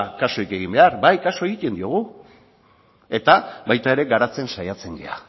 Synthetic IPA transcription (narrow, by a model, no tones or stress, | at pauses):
kaso̞ike̞ɣ̞imbe̞aɾbajkaso̞eic̪e̞nd̪io̞ɣ̞u | e̞t̪aβajt̪ae̞ɾe̞ɡaɾat͡se̞nsajat͡se̞ŋɡea̰